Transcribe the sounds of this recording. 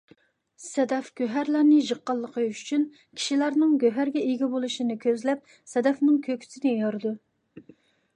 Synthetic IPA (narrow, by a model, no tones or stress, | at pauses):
sɛd̪ɛfɡ̥ʲøɦæɾlæɾnɨʒəqːɑlˠːəqʰəyyt͡ʃʰyn | kʲʰi̥ʃilæɾnɨŋɡʲøɦæɾɡʲɛiɡʲɛbolˠuʃinɨkʲʰøzlɛp̚ | sɛd̪ɛfnɨŋkʲʰøkʲʰy̥sɪnɪjoɾɨd̪u